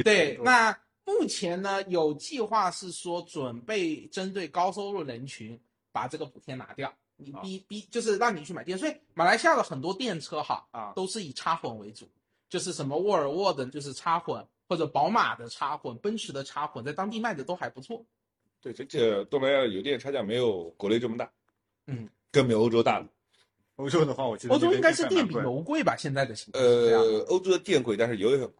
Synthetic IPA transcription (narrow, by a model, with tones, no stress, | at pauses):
t̪we˥˩ɪna˥˧ | mu˥˩t͡ɕʰjɛ˧˥nnə˧jo˨˩ʊt͡ɕi˥˧xwa˥˧ʂɻ̩˥˩ʂwɔ˥ʈ͡ʂwə˨˩npe˥˩ɪʈ͡ʂə˥nt̪̬we˥˩ɪkɑ˥ʊso˥ʊlu˥˩ɻə˧˥nt͡ɕʰy˧˥n | pa̰˨˩ʈ͡ʂɤ˥˩ɡə˩pʰu˨˩t̪ʰjɛ˥nna̰˧˥t̪jɑ˥˩ʊ | ni˨˩pi˥pi˥t͡ɕjo˥˧ʊʂ̬ɻ̩˥˧ɻɑ˥˩ŋni˨˩t͡ɕʰy˥˩a˨˩ɪjɛ˥˩nswma˨˩la˧˥ɕi˥ja˥˩d̪ə˩xə˨˩nt̪̬wɔ˥t̪jɛ˥˩nʈ͡ʂʰɤ˥xɑ̰˧˩t̪o˥ʊʂɻ̩˥˩i˨˩ʈ͡ʂʰa˥xwə˧˥nwe˧˥ɪt͡sṵ˨˩˦ | t͡ɕjo˥˧ʊʂ̬ɻ̩˥˩ʂə˧˥nmə˧wɔ˥˩ə˞˨˩wɔ˥˩d̪ə˩t͡ɕjo˥˧ʊʂ̬ɻ̩˥˩˧ʈ͡ʂʰa˥xwə˨˩nxwɔ˥˩ʈ͡ʂɤ˨˩pɑ˧˥ʊma̰˨˩d̪ə˦ʈ͡ʂʰa˥xwə˧˩npə˥nʈ͡ʂʰɻ̩˧˥d̪ə˧ʈ͡ʂʰa˥xwə˧˥˦nt͡sa˥˧ɪt̪ɑ˥ŋt̪i˧ma˥˩ɪdə˩t̪o˥ʊxa˧˥ɪpu˧˥t͡sʰwɔ˥˩ | t̪we˥˩ɪʈ͡ʂə˥t͡ɕʰɛ˧˩t̪wɔ˥la˧˥ja˥˩ə˩jo˧˥t̪jɛ˥˩nʈ͡ʂʰa˥t͡ɕja˥˩ŋme˧˥ɪjo˨˩ʊkwɔ˧˥le˥˧ɪʈ͡ʂɤ˥˩mə˩t̪a˥˩ | n̩˥˩ | kə˥nme˧˥˩jo˥ʊʈ͡ʂo˥ʊt̪a̰˥˧lu˨˥˩ | o˥ʊʈ͡ʂo˥ʊd̪ə˧xwa˥˩wɔ˨˩t͡ɕʰi˧˥ʊ˥ʈ͡ʂo˥ʊi˥˧ŋka˥ɪʂɻ̩˥t̪jɛ˥˩npi˨˧˩mo˧˥ʊkwe˥˩ɪbɐ˩ɕjɛ˥˧nt͡sa˥˩ɪd̪ə˩ɕi˧˥ə˧o˥ʊʈ͡ʂo˥ʊd̪ə˨˧t̪jɛ˥˩nkwe˥˩ɪa˥˧nʂɻ̩˥˩jo˧˥ʊjɛ˧˥xə˨˩n